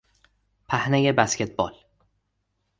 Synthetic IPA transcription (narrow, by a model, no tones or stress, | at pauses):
pʰæhnejebæscʲʰet̪̚bɒ̰l